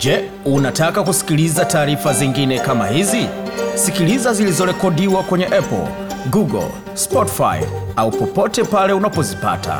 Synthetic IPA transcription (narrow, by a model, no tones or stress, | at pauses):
d͡ʒɛ | unatakakusi̥kilizataːɾifaziŋɡinɛkama̰hizisikilizazilizɔɾɛkɔdiwakwɛɲɛʔɛpɔ̰l̩ | ɡuɡɔ̰l | spɔti̥fa̰jaupɔpɔtɛpalɛunapɔzipa̰tʰa̰